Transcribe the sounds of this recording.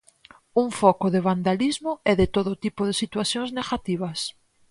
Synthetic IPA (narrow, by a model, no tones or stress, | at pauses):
uŋfɔkoðeβand̪alizmoɛðɪt̪oðʊt̪ipʊðɪsit̪waθjõŋzneɣat̪iβ̞ɐs